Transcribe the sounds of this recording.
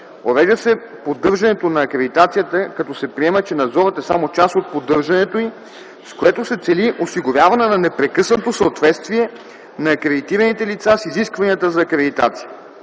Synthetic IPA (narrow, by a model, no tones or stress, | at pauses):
ovɛʒəsɛ | pod̪ɤɾʒɐnɛt̪onɐːkɾɛd̪it̪at̪sijət̪əkɐt̪ɔsɛpɾiɛmət͡ʃɛnɐd̪zɔɾət̪ɛsa̰mot͡ʃasot̪̚pod̪ɤɾʒɐnɛt̪oi | skoɛt̪osɛt̪sɛliʔosiɡoɾʲjavɐnɛnɐnɛpɾɛkɤsnot̪osəot̪vɛt̪st̪viɛ | nɐːkɾɛd̪it̪iɾɐnit̪ɛlit̪sasiziskvɐniət̪əzɐːkɾɛd̪it̪a̰t̪si̥jə